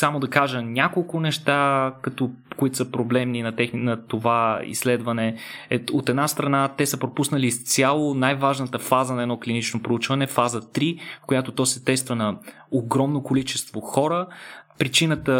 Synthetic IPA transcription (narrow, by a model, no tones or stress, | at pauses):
samod̪ɐkaʒənʲakolˠkʊnɛʃt̪akɐt̪okoit̪o̥səpɾoblɛmninɐt̪ɛxninɐt̪ovaḭslɛd̪vɐnɛɛot̪ɛd̪nast̪ɾɐnat̪ɛsəpɾopusnəlist̪sʲjalˠonajvaʒnət̪əfazənɐɛd̪nɔklinit͡ʃnopɾout͡ʃvɐnɛfazət̪ɾifkojat̪ot̪ɔsɛt̪ɛst̪vɐnɐ | oɡɾɔmnokolit͡ʃɛst̪voxɔɾəpɾit͡ʃinət̪ə